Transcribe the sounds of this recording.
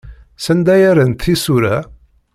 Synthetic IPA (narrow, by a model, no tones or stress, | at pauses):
sənd̪æjæɾənt̪ʰːisuɾæ